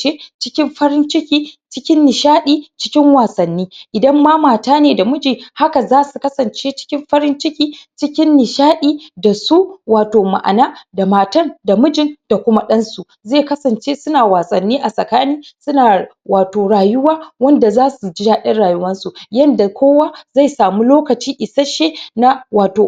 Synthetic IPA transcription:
t͡ʃe˦t͡ʃɪ˦kʲɪ˦mɸɐ˦ɾɪ˦nt͡ʃɪ˦kʲiː˦t͡ʃɪ˦kʲɪ˦nːɪ˨ʃaː˦ɗiː˦t͡ʃɪ˦kʲɪ˦ŋwaː˨sɐ˨nːiː˦ʔɪ˨dɐ˦mːa˦maː˨taː˦neː˨da˨mʊ˦d͡ʒiː˨ha˦ka˨zaː˦su˨kɐ˦sɐ˨nt͡ʃe˦t͡ʃɪ̥˦kʲɪ˦mɸɐ˦ɾɪ˦nt͡ʃɪ˦kʲiː˦t͡ʃɪ˦kʲɪ˦nːɪ˨ʃaː˦ɗiː˦da˨suː˦waː˨toː˨ma̰˨ʔa̰˨naː˦da˨maː˨tɐ˦nda˨mʊ˦d͡ʒɪ˦nd̥a˨kʷʊ˦ma˦ɗɐ˦nsu˨ | zeː˦˨kɐ˦sɐ˨nt͡ʃe˦sʊ˦naː˨waː˨sɐ˨nːiː˦ʔa˨sʼɐ˨kaː˦niː˦sʊ˦naː˨ | waː˨toː˨ɽaː˨jʊ˦waː˦wɐ˦nda˨zaː˦su˨d͡ʒɪ˦jaː˦ɗɐ˦nɽaː˨jʊ˦wɐ˦nsu˨jɐ˦nda˨kʰʷoː˦waː˦za˦˨jsaː˨mu˦loː˦kɐ˨t͡ʃiː˦ʔɪ˨sa˦ʃe˦na˦waː˨toː˨

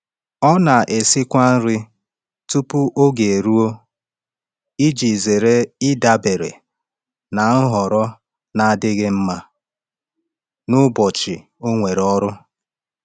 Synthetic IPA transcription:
ɔ˦na˨ʔe˨sɪ˦kʷa˦n̩˦ɾɪ˦ | tu˦pʊ˦ʔo˦ɡe˨ɾu˦o˦ | i˦d͡ʒi˨ze˨ɾe˦ɪ˦da˦be˨ɾḛ˨ | na˨n̩˦ɦɔ˨ɾɔ˦ | na˨a˨dɪ˦ɣɪ˦m̩˦ma˦ | nʊ˦bɔ˨t͡ʃɪ˨ | o˦ŋʷe˨ɾɔ˦ɾʊ˦

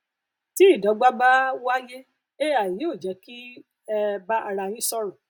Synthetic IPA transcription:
ti˦i˦˨dɔ˨˦ɡ͡ba˦ɡ͡ba˦wa˦je˦ | e˦a˨jĩ˨˦o˦˨d͡ʒɛ˨˦ki˦ | ɛ˦˧ba˦ʔa˧ɾa˧j̃ĩ˦sɔ˦ɾɔ˨

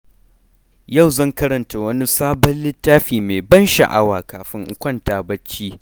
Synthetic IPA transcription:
jɐ˦˨wzɐ˦˨ŋkɐ˦ɾɐ˨nta˨wɐ˦ni˦saː˦bɐ˦nlɪ˦tːaː˦ɸiː˨me˨bɐ˦nʃa̰˨ʔa˦waː˨kaː˨ɸɪ˦ŋʔʊ˨kʷɐ˦ntaː˨bɐ˦t͡ʃːiː˦

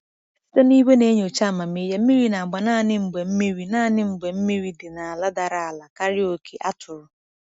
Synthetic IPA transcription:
sto˦ni˦ɦe˦ne˦ɲ˨o˨t͡ʃa˦˨ma˨mi˦je˦m̩˦mi˦ɾi˦na˨a˨ɡ͡ba˨naː˦˨nɪ˦m̩˨ɡ͡be˨m̩˦mi˦ɾi˨naː˦˨nɪ˦m̩˨ɡ͡be˨m̩˦mi˦ɾi˨dɪ˨na˨a˨la˦da˨ɾa˨a˨la˨ka˦ɾɪ˦o˨kʰe˨ʔa˦tʰʊ˨ɾʊ˨

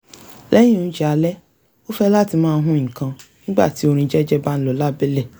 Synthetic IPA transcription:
lɛ̃˦ĩ˦˨ũ˨˦d͡ʒɛ˦a˧lɛ˦ | o˦fɛ˦la˦ti˧mãː˦˧˦ɦũ˦ĩ˨kã˧nĩ˦ɡ͡ba̰˦˨ti˨˦o˧ɾ̃ĩ˧d͡ʒɛ˦d͡ʒɛ˦ba˦n̩˦lɔ˧la˦be˦le˦˨

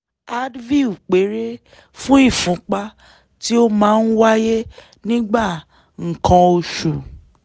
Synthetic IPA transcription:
a˦dvi˦˨u˨k͡pe˨˦ɾe˦ | fũ˦i˦˨fũ˨˦k͡pa˧ | ti˦o˦mãː˨˦n̩˦wa˦je˦ | nĩ˦ɡ͡ba˦˨ | ŋ̩˨kʰã˧o˧ʃu˨

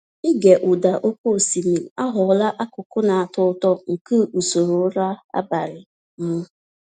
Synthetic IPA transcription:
ɪ˦ɡe˨ʔʊ˨da˨ʔo˦ko˦˨si˨mi˨l̩˨a˦ɦʊ˨la˦ʔa˦kʊ˨kʊ˦na˨a˨tʊ˦tɔ˦ŋ̩˨ku˦˨u˨so˨ɾo˨˦ɾa˦a̰˦ba˨ɾɪ˨ | m̩˦

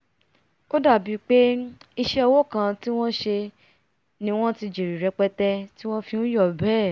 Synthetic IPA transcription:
ko˦da˦˨bi˨˧˦k͡pe˦i˧ʃɛ˦ɔ˧wo˦˨kã˧ti˦w̃ɔ̃˦ʃe˧ | nĩ˧w̃ɔ̃˦ti˧d͡ʒi˨ɾi˨ɾɛ˧k͡pɛ˧tɛ˧ti˦w̃ɔ̃˦fĩ˧ũ˦jɔ˦˨bɛː˦˨

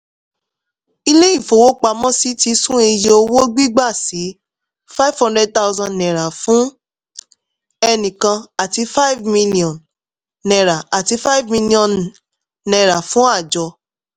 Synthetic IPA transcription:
i˧le˦i˦˨fo˨wo˦k͡pa˧˦mɔ̃˦si˨˦ti˧sũ˦e˧je˧o˧wo˦ɡ͡bi˦ɡ͡ba˦˨si˨˦ | fa˦i˦vhɔ̃˦ndɛ˦d̚ta˦ʊ˦zã˧nɛ̃˨ɾa˨fũ˦ | ɛ˧nĩ˨kã˧a˨ti˧˦fa˦i˦vmĩ˧li˦ɔ̃˨nː | ɛ̃˨ɾa˨a˨ti˨˦fa˦i˦vmĩ˧lĩ˦ɔ̃˦nː | ɛ̃˨ɾa˨fũ˨˦a˦˨d͡ʒɔ˧

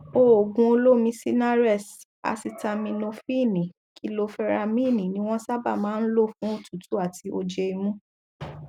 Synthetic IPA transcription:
o˦˨o˨ɡũ˧o˧lo˦mĩ˧˦si˦na˦ɾɛ˦˨s | a̰˧si˧ta˧mĩ˧no˧fi˦˨nĩ˨ | ki˦lo˧fɛ˧ɾa˧mĩ˦˨nĩ˨nĩ˦w̃ɔ̃˦sa˦ba̰˦˨mãː˨˦n̩˦lo˦˨fũ˨˦o˦˨tu˨tu˨˦a˦˨ti˧˦ʔo˧d͡ʒe˧i˧mũ˦

